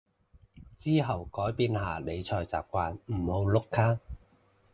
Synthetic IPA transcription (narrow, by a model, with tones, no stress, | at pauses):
t͡siː˥ɦɐ˨˩wkɔː˨˥jpiː˧nɦaː˨le˨˧jt͡ʃʰɔː˧jt͡sa̰ː˨˩p̚kʷaː˧nm̩˨˩ho˨˧wlʊ˥kʰːaː˥